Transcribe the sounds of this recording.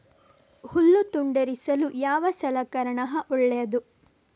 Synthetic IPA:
hulːut̪uɳɖɐɾisɐlujaːʋɐsɐlɐkɐɾɐɳɐɦɐʔuɭːɛjɐd̪u

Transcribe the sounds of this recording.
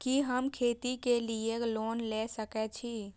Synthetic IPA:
kiɦəmkʰet̪ikelieklonlɛsəkɛt͡ʃʰi

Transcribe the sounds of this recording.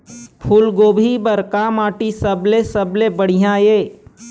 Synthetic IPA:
pʰʊlɡoːbʱibəɾkamaːʈisəblesəblebəɽ̤ijãeː

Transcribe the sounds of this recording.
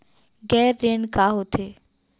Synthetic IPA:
ɡɛːɾːeːɳkaːɦot̪ʰeː

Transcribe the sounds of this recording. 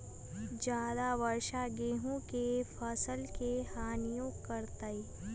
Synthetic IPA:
d͡ʒjaːd̪aʋəɾʃaɡeːɦõkefʰɐsəlkehaːnijõkəɾt̪əi

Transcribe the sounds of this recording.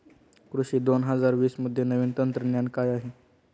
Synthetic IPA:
kɾuɕiːd̪onɦəd͡zaɾʋiːsməd̪ʱːjenəʋiːnt̪ənt̪ɾənjankajaɦe

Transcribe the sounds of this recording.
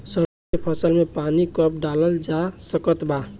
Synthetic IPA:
sə | epʰəsəlmẽpanikəp̚ɖaləld͡ʒasəkət̪ba

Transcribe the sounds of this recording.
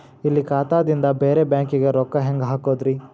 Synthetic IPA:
ilːikaːt̪aːd̪ind̪ɐbeːɾebjaːŋkiɡeɾɔkːɐɦeŋɡɦaːkoːd̪ɾi

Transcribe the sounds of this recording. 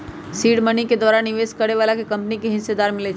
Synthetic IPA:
siːɽməniked̪ʋaːɾaniʋeskəɾeʋalakekə̃mpnikeɦɪ̃nsed̪aːɾmɪlet͡ʃʰ

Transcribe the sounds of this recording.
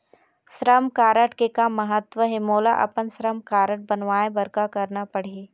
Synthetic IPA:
ʃɾəmkaːɾəʈkekamːəɦət̪ʋəɦemoːlaʔɐ̰pənsɾəmkaːɾəʈ̚bɐnʋaːẽbɐɾkakɐɾnapɐɽ̤ie

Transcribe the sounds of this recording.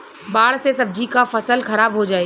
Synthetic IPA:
baːɽsesɐb̚d͡ʑʱikafɐsəlxɐɾaːbɦod͡ʒaːeː

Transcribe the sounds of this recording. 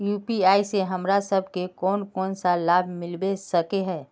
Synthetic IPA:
juːpiaːiseɦɐmɾasəbʱkekɔːnkɔːnsalaːbʱmɪlbesəkeɦɛ̃ː

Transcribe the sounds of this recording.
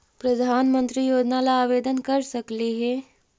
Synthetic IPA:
pɾɐd̪ʱaːnmə̃nt̪ɾijoːd͡ʒnalaaːʋeːd̪ənkɐɾsɐkliɦɛː

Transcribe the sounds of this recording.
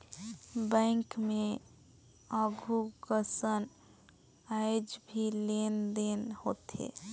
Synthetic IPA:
bɛ̃ːŋkmẽ | əɡʱukəsən | aɪd͡ʒbʱilend̪enhoːt̪ḛː

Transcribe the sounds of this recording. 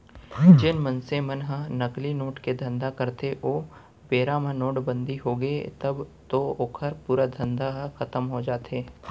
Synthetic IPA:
d͡ʒɪnmɐ̃nsẽmɐnɦənɐklinoːʈked̪ʱɐ̃nd̪akəɾt̪eʔoː | beːɾamə̃noːʈbə̃nd̪ʱiɦoːɡəet̪ɐbt̪ooːkʰəɾpuːɾad̪ʱɐ̃nd̪aɦxɐt̪əmɦod͡ʒaːt̪eː

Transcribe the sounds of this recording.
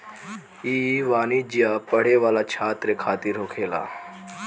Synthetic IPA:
iːʋaːnid͡ʒijapəɽeʋaːlat͡ʃʰaːt̪ɾəkʰaːt̪ɪɾɦoːkʰeːla̰ː

